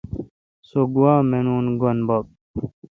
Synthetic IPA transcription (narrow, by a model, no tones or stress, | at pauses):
soɡuwaːmenuːnɡonbɐk̚